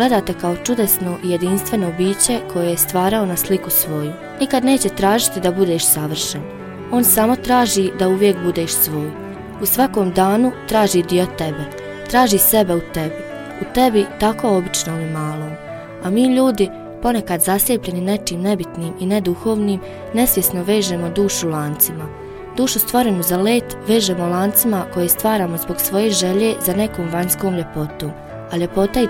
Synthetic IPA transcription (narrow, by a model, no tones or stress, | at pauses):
ɡle̞d̪aːt̪ekaot͡ʃud̪esno̞ʔije̞d̪inst̪ʋe̞nobiːt͡ɕe̞kʰo̞jejest̪ʋaːɾao̞naslikusʋo̞ju | nikad̪neːt͡ɕe̞t̪ɾaːʒit̪id̪abud̪eːʃsaʋr̩ʃen | o̞ːnsamo̞t̪ɾaːʒid̪auʋje̞kbud̪e̞ːʃsʋo̞ːj | usʋako̞ːmd̪aːnut̪ɾaːʒid̪io̞t̪e̞be | t̪ɾaːʒiːse̞beut̪e̞bi | ut̪e̞bit̪ako̞o̞bit͡ʃnolimaːlˠo̞ːm | amiːʎuːd̪i | po̞ne̞kad̪zaslʲjepʎe̞nine̞t͡ʃiːmne̞bit̪niːmine̞d̪uxo̞ːʋniːm | ne̞sʋje̞sno̞ʋe̞ːʒemod̪uːʃulˠaːnt̪sima | d̪̥uːʃust̪ʋo̞ɾe̞nuzale̞ːt̪ʋe̞ːʒeːmolˠaːnt̪simako̞jest̪ʋaːɾaːmo̞zbo̞ɡsʋo̞je̞ːʒe̞ʎe̞ːzane̞koːmʋaɲsko̞ːmʎe̞po̞t̪oːm | aʎe̞po̞t̪ai